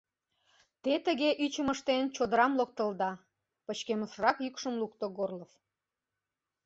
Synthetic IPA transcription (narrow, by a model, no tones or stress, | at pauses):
t̪et̪əɣeʔyt͡ɕəməʃt̪ent͡ɕod̪əɾɑmlok̚t̪əld̪ɑ | pət͡ɕkeməʃərɑkjykʃəmluk̚t̪oɡorlof